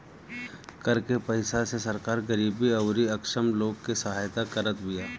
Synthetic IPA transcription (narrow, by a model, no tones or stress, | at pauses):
kəɾkepəɪsasesɐɾkaːɾɡəɾiːbiɐʊɾiɐkʃəmloːɡkesɐɦaːjt̪akəɾət̪bijaː